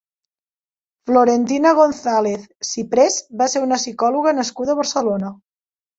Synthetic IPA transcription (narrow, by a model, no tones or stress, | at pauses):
floɾent̪inəɣ̞onθaleθsipɾezbaseɾunəsikɔluɣənəskuðəβ̞əɾsəlonə